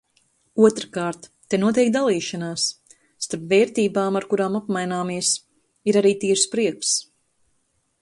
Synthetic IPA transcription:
uɔt̪ɾkaːɾt̪ːenuɔt̪ɛjk̚d̪alˠiːʃanaːsː | t̪aɾpveːɾt̪iːbaːmaɾkuɾaːmapmajnaːmiɛs | iɾaɾiːt̪iːɾspɾiɛks

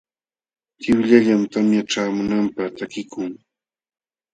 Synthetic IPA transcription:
t̪ɪwʎaʎamt̪amjaʈ͡ʂaːmʊnampaχt̪akɪkʊŋ

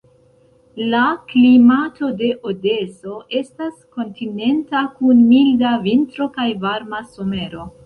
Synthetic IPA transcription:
laklimato̞de̞ʔode̞so̞ʔe̞stasko̞ntine̞ntakunmildavintɾo̞kajvaɾmaso̞me̞ɾo̞

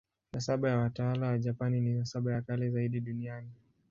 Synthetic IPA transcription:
nasaɓajawatawalawaʄapanininasaɓajakalɛzaiɗiɗuniani

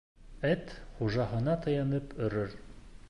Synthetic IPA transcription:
æt̪χuʒɑhɤ̆nɑt̪ɤ̆jɑnɤpɵ̆ɾɘɾ

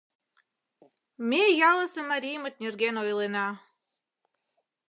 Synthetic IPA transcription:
mejɑlˠɤ̆sɤ̆mɑɾʲijmə̆t̪̚nʲerɣenojlenɑ

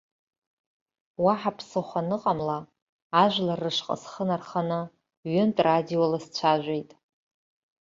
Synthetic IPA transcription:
waħapʰsɨχʷanɨqʼamlaː | ʒʷlarːɨʂqʼə̰sχənarχanɨ | ɥʏntʼradiolast͡ɕʷʰaʒᶣʷejtʼ

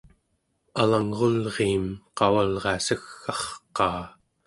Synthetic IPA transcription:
alaŋʁolʁiːmqɑwalʁɑsəxːɑχqɑː

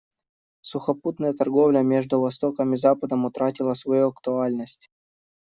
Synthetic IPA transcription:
sʊxɐput̪nəjət̪ɐrɡovlʲəmʲeʐd̪ʊvɐst̪o̞kəmʲɪzapəd̪əmʊt̪ɾatʲɪlˠəsvɐjuɐkt̪ʊalʲnəsʲtʲ

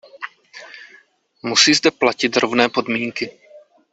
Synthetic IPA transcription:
musiːzdɛplacɪt̪ɾo̞vnɛːpo̞dmiːŋkɪ

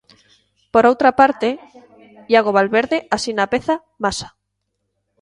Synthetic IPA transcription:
poɾowt̪ɾapaɾt̪e | jaɣoβalβeɾðeʔasinapeθa | masḁ

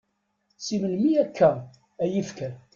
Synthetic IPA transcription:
siməlmiækʰːæ | æjifkæl

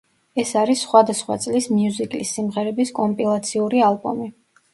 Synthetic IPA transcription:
ɛsaɾisːχwad̪asχwa̰t̪sʼlismiuzikʼlḭsːimʁɛɾɛbiskʼɔmpʼilˠat̪sʰiuɾialˠbɔ̰mi

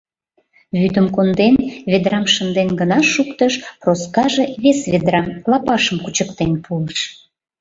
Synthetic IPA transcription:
βyd̪əmkond̪enβed̪ɾɑmʃənd̪enɡənɑʃukt̪əʃproskɑʒeβesβed̪ɾɑmlɑpɑʃəmkut͡ɕəkt̪enpʰuləʃ

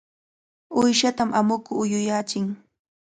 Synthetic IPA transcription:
ʊjʃat̪amʔamʊkʊːjʊjat͡ʃɪŋ

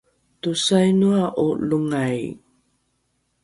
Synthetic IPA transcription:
tusajnuaʔuluŋaj

